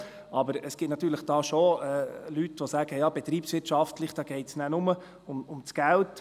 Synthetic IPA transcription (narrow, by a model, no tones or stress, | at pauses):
ɑbəɾəsɡ̥ɪtnɑt̪yːɾləχd̥ɑːʃoɛːlytʋosæːɡ̥əjɑːb̥ɛt̪ɾiːpsʋɪtʃɑftləχd̥ɑːɡ̥ɛɪtsnænʊmə | ʊmʊmt͡sɡ̥ælt